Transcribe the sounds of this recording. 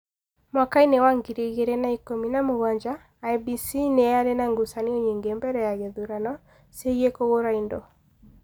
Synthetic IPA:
mwakainɛwaŋɡiɾeɣeɾɛnaikominamoɣaɲd͡ʒa | jbisinɛalenaŋɡusaniɔɲiŋɡembɛɾɛjaɣɛðuɾanɔ | seiekoɣoɾaindɔ

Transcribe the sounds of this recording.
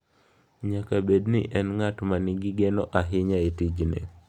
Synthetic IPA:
ɲakabedniʔɛnŋatmaniɡiɡenɔʔaɦɪɲaetid͡ʒnḛ

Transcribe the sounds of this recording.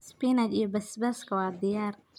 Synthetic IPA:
spinat̪ijɔbɐsbɛskʰɐwɑːd̪ɪjaːr

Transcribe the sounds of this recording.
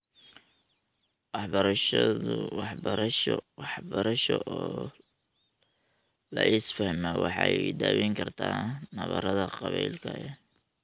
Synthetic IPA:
wɑħbɐɾɐʃ | ɑħbʃɑħbɐɾɐʃɔʔɔː | lɐʔɪsfɐhmɛwɑħɑjd̪aːwɛŋkʰɐrt̪ʰaːnɐβɐɾɐðɐqɑβɛjlkʰɐɛ

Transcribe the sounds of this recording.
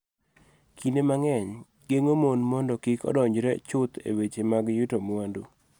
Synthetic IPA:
kʰinemaŋɛɲ | ɡeŋomonmɔndɔkikɔ̰dɔɲd͡ʒɾɛt͡ʃʊt̪ḛwet͡ʃemaɡjutomwandu

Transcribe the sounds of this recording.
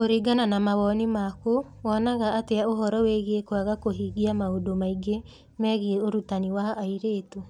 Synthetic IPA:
oɾiɡananamaβɔnimako | wɔnaɣaːteaoɦɔɾɔweɣiekwaɣakoɦiːɣiamaodomaiɡe | mɛɣieoɾutaniwaːiɾeːto

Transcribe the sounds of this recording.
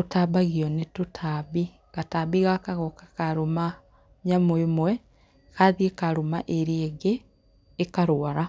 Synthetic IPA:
otaβaɣiɔnetotʰaβi | ɣataːβiɣakaɣɔkḁkaɾoma | ɲamwemwɛ | kaðiekaɾomaʔeɾieɣeː | kaɾoaɾa

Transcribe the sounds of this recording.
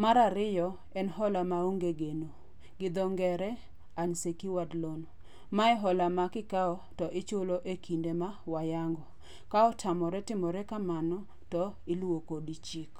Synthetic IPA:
maɾaɾɪjɔ | ɛnɦɔlamaoŋɡeɡeno | ɡɪd̪ɔŋɡɛɾɛ | aɲsekiwadlon | maɛɦɔlamakɪkaɔ | tɔʔɪt͡ʃoloʔekʰindemawajaŋɡɔ | kaɔtʰamɔɾɛtɪmɔɾɛkamanɔ | tɔ | ɪlwokodit͡ʃik

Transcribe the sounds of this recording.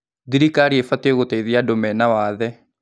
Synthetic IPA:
ðiɾikaɾiefateɣotaiðiadomɛnawaðɛ

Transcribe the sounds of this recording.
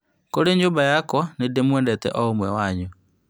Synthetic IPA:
koɾeɲoːbajakwɔnedemwɛːndɛtɛ̰ʔɔomwɛwaɲu

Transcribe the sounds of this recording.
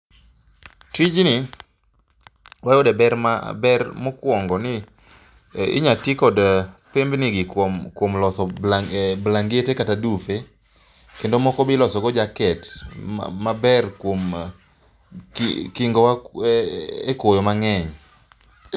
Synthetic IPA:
tid͡ʒni | wajodɛbɛɾma̰bɛrmɔkwɔŋɡɔnɪ | ɪ̰ɲatikɔdpembnɪɡɪkmkwomlɔsɔ | blaŋɡetekatadufe | kendomɔkɔbɪlɔsɔɡɔd͡ʒakɛtː | abɛrkwom | kkiŋɡɔwa | ekojomaŋɛɲ

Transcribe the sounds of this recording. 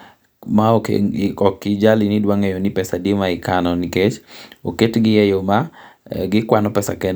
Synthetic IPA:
maɔkɔkid͡ʒalinɪdwaŋɛjonipɛsadimaikanɔniket͡ʃoketɡɪjɛjomaɡɪkwanɔpɛsakɛn

